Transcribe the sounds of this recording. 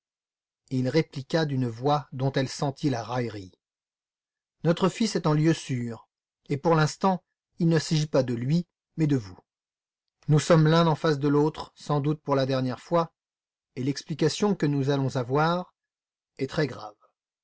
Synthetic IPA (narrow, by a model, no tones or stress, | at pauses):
ilʁeplikʲad̪ynvwad̪ɔ̃t̪ɛlsɑ̃t̪ʰilaʁajʁi | nɔt̪χəfisɛt̪ɛ̃ljøsyːʁ | epuʁlɛ̃st̪ɑ̃ | ilnəsaʒipad̪əlɥi | mɛd̪əvu | nusɔmlɛ̃ɑ̃fasd̪əlot̪χsɑ̃d̪ut̪̚puʁlad̪ɛʁnjɛʁfwa | elɛksplikasjɔ̃kənuzalɔ̃zavwaʁ | ɛt̪χɛɡʁa̰v